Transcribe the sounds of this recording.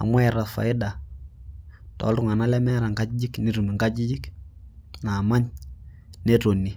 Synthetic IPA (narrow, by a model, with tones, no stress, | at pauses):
a̰˨mwa˦ɛ˨ɾa˨tfa̰˨ɪ˦da˨ | tɔ̰˨˦ltʊ˦ŋa˨na˦lɛ˦mɛ˦ɾa˨ŋɡa˦d͡ʒɪ˦d͡ʒɪ˦kni˦ɾu˨mi˨ŋɡa˦d͡ʒi˦d͡ʒɪ˦k | na˨ma˦ɲ | ne˦to˨ni˨